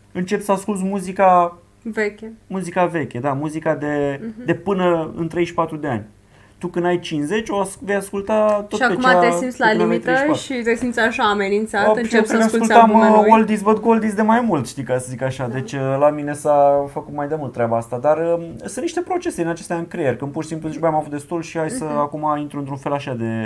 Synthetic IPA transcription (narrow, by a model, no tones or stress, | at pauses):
ɨnt͡ʃe̞psəaskult̪smuzika | vekʲemuzikave̞kʲed̪amuzikad̪e̞d̪e̞pɨnəɨ̰nt̪ɾe̞jʃpat̪ɾud̪e̞a̰nʲ | t̪ukɨnajt͡ʃinsze̞t͡ʃʲoasve̞jaskult̪at̪oʃak̪ekumaaesimt̪sʲlalemit̪eəʃʃit̪esimt̪sʲaʃaːmenint̪sat̪ueaakukult̪amwold̪isvəd̪ɡold̪isd̪e̞majmult̪ʃt̪ikasəzikaʃad̪e̞t͡ʃʲlamine̞safəkut̪majd̪e̞mult̪ːɾʲabaast̪ad̪arəsɨnniʃt̪e̞pɾo̞t͡ʃe̞se̞d̪inat͡ʃest̪eanʲkɾejerʲkɨnpurʃisimpluzit͡ʃbəjamavut̪̚d̪e̞st̪ulʃihajsəakumaint̪ɾuɨnt̪ɾunfe̞laʃad̪e̞